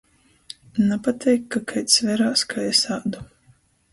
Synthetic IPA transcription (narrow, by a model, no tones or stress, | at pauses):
napat̪ʲʰɛjkːakʰajt̪svɛɾaːskʰajɛsaːd̪u